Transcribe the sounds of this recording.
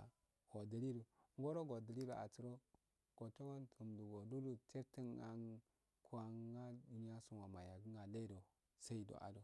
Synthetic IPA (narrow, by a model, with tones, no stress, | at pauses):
ɡ̥o˨də˨li˦ɾu˨ŋɡo˦ɾo˦ɡo˨də˨li˦ɾo˨a̰˨t͡si˨ɾo˦ | ɡ̥o˨t͡ʃo˦wo˦ntə˨mdu˨ɡo˨du˦du˦te˦ɾti˦na˦n | kʰu˦a˨ŋa˦du˨ni˦a˦su˨nwa˨ma˨ja˨ɡi˦ŋɡa˨le˦do˨ | sa˦i˦do̰˨ʔa̰˨do˨